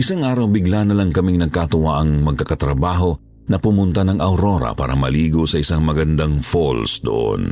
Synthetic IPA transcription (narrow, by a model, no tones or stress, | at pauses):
ʔɪsaŋʔaːɾɐwbɪɡlanɐlaŋkɐmiŋnɐɡ̚kat̪ʊwaʔɐŋmɐɡ̚kɐkɐt̪ɾɐbaːɦo̞ | nɐpʊmʊnt̪anɐŋʔɐwɾo̞ɾɐ̰pa̰ːɾɐmɐliːɡosɐʔɪsaŋmɐɡɐnd̪aŋfolsd̪o̰ʔo̰n